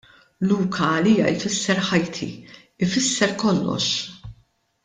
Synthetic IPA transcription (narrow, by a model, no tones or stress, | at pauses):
luːkʰɐːliːjɐ̰ʔɪfɪsːɛɾħɐjt̪ʰḭ | ɪfɪsːɛɾkɔlːɔ̰ʃ